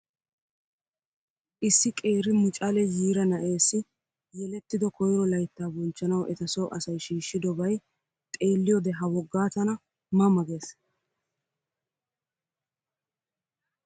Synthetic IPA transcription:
ʔɪsːɪkʼe̞ːɾɪmʊt͡ʃʼɐlɛjiːɾɐnɐʔe̞ːsːɪ | jɛlɛt̪ːɪd̪ɔkʰɔjɾɔlɐjt̪ːaːbɔnt͡ʃːɐnɐwɛ̰t̪ɐsɔwʔɐsɐjʃiːʃːɪd̪ɔbɐj | t̪ʼe̞ːlːɪjɔd̪ɛɦɐwɔɡːaːt̪ɐnɐ | mɐmɐɡeːs

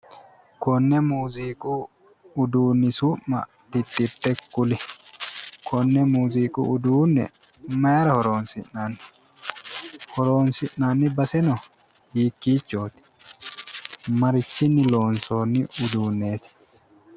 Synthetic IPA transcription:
kɔnːɛmuːziːkʼu | ʊd̪uːnːɪsuːʔmɐ̰ | t̪ɪt̪ːɪɾt̪ɛkːʊlɪ | kʰɔnːɛmuːziːkʼṵʊd̪uːnːɛ̰ | mɐjɐɾɐhɔɾo̞ːnsɪnnaːnː | hɔɾo̞ːnsɪʔnaːnːɪbɐsɛnɔ | hiːkːiːt͡ʃːoːt̪ɪ̥ | mɐɾɪt͡ʃːɪnːɪlo̞ːnso̞ːnːɪʔʊd̪uːnːe̞ːt̪ɪ̥

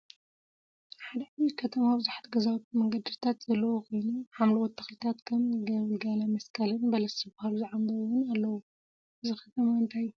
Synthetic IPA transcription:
ħad̪ɐʕaβikʰɐt̪ʰɐmabɨzuħḁt̪ɡɐzawt̪ʰumɐŋɡɐd̪ɨt̪ʰat̪z̥ɐlːɐwukʰo̞jnuħamlɐwɔt̪ʰːɐxlit̪ʰat̪kʰɐmɡɐβɨlɡalamɐskʰɐlɨnbɐlɐsɨbahaluziʕamd̪ɐwuwʊnalːɐwu | ʔɨzikʰɐt̪ʰɐmaɨnt̪ʰajːu

